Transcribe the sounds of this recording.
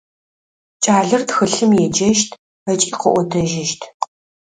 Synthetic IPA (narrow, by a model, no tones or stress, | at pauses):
t͡ʃʼaːɮɨrtxɨɬɨmjɛd͡ʒɐʃtʰ | ɐt͡ʃʼiːqəʔʷɔdʰɐʒɪʃtʰ